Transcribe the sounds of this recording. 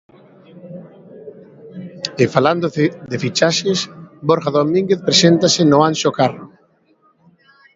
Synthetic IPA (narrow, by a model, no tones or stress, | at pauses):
efaland̪od̪efit͡ʃaʃesboɾxaðomĩŋɡeθpɾesent̪asɪnʊanʃokaro